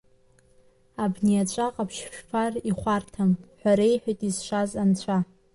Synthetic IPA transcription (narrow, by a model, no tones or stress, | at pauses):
abniat͡ʃʷʼaqʼapʰʃʃᶣfʰariχʷartʰamħʷᶣaɾejħʷᶣajtʼizʂʷazant͡ɕʷʰa